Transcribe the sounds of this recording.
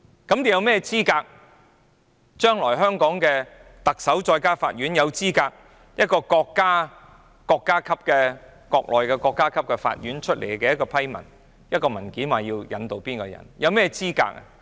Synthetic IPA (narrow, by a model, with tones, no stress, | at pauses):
kɐ˨˥mt̪i˨˩jɐ˨˧wmɛː˥t͡siː˥kaː˧k̚ | t͡ʃœː˥ŋlɔː˨˩jɦœː˥ŋkɔː˨˥ŋkɛː˧ | t̪ɐ˨k̚sɐ˨˥wt͡ʃɔː˧jkaː˥faː˧t̚ɥyː˨˥njɐ˨˧wt͡siː˥kaː˧k̚ | jɐ˥t̚kɔː˧kɔː˧kːaː˥ | kɔː˧kːaː˥kʰɐ˥p̚kɛː˧kɔː˧k̚lʔɔː˨jkɛː˧kɔː˧kːaː˥kʰɐ˥p̚kɛ˧fa̰ː˧t̚jɥyː˨˥nt͡ʃʰɵ˥t̚lḛ˨˩jkɛː˧jɐ˥tkːɔː˧pʰɐ˥jmɐ̰˨˩n | jɐ˥t̚kɔː˧mɐ˨˩nkiː˨˥nwaː˨jiː˧wjɐ˨˥nt̪o˧wpiː˥nkɔː˧jɐ̰˨˩njɐ˨˧wmɛː˥t͡siː˥ka̰ː˧k̚a̰˨